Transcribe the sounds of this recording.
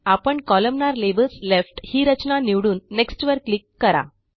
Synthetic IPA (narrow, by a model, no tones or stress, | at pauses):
apəɳkɔləmnaɾleʋəlslefʈhiːɾət͡ɕnaniʋɽuːnːeksʈʋəɾklikːəɾa̰